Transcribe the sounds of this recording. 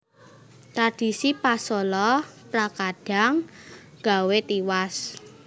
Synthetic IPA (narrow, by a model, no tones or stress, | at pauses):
t̪ɾad̥i̤sipasɔlɔpɾakaɖ̥a̤ŋ | ɡ̥a̤wet̪iwas